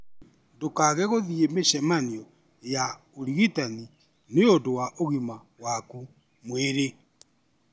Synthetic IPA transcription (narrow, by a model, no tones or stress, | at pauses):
dokaɣɛɣoðiemeɕɛmaniɔ | ja | oɾiɣitani | neodowaʔoɣima | waku | mweɾe